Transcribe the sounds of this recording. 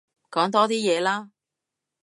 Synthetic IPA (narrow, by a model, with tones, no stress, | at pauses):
kɔː˨˥ŋt̪ɔː˥t̪iː˥jɛː˨˧laː˥